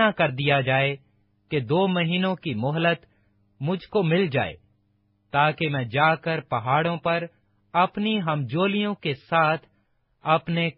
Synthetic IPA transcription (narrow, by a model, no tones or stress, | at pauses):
akɐɾd̪ijad͡ʒaːe | ked̪oːmɐɦiːnõkimʊɦlət̪ | mʊd͡ʒʱkomɪld͡ʒa̰ːḛː | t̪aːkemɛ̃ːd͡ʒaːkəɾpɐɦaːɽõpɐɾ | ɐpniɦɐmd͡ʒoːlijõkesaːt̪ʰ | ɐpne